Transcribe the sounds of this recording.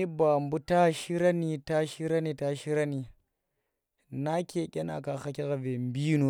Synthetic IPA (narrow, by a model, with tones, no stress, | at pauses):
i˦ba˨mbu˦ta˦ʃi˦ɾa˦ni˨ta˦ʃi˦ɾa˦ni˨ta˦ʃi˦ɾa˦ni˨ | na˦kʲe˨kʲʼe˦na̰˨ka˨xa˦kʲi˦ɣa˨ve˨mbi˦no˨